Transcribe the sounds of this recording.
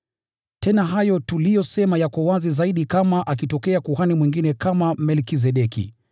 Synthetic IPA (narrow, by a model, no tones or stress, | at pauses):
tɛnaɦajɔtulijɔsɛmajakɔwazizaiɗikamaʔak̬itɔkɛakuhanimwiŋɡinɛkamamɛlkiz̬ɛɗɛkḭ